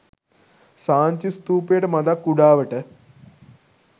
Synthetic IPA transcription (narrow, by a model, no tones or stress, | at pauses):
saːɲt͡ɕist̪uːpeːʈɐmɐd̪akːuɽaːʋɐʈɐ